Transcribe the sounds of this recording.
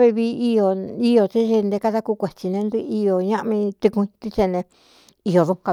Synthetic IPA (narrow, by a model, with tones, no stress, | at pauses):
βi˧βi˧˦i˧jo˨i˦jo˨t͡ʃi˦ʒi˧nd̪e˧ka˦˧ða˦˧ku˦˧kʷe˨t͡ʃi˧nẽ˧nd̪ɨ˧˦i˧jo˨ɲã˦ʔmĩ˧t̪i˧kũ˧ĩ˧t̪i˦t͡ʃe˧nẽ˧ | i˧jo˨ðu˧ka˧